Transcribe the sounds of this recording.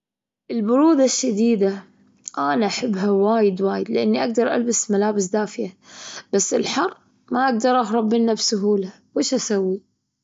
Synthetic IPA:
ʔɪlbʊɾuːd̪aʃːad̪iːd̪a | ʔaːnaʔaħɪbːɦawaːjɪd̪waːjɪd̪lɪʔanːiʔaɡ̚d̪ɑɾˤʔa̰lbasmalaːbɪsd̪aːfɪjab̥asːɪlħɑrˤː | maʔaɡ̚d̪ɑɾˤʔɑhɾˤɑbːɪnːabsʊɦuːla | weːʃʔasawːi

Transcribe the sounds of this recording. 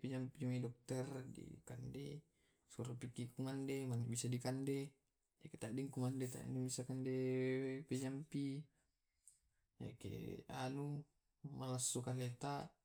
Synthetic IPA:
pɛd͡ʒampid͡ʒuŋidɔk̚t̪ɛrdḭkande | suɾapikːiʔkuŋandemaniʔbisadikande | jaket̪aʔdiŋkuŋandet̪a̰nibisakandepɛd͡ʒampi | ja̰kḛa̰nu | malasːukalet̪a

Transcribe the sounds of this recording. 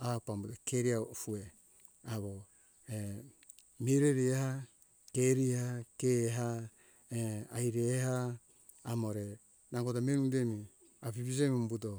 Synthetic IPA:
apambutokeɾiaofue | aβo | e | miɾeɾieha | keɾihakeɦa | eajɾehaː | moɾe | naŋɡotamenudemi | apipis̬emombuto

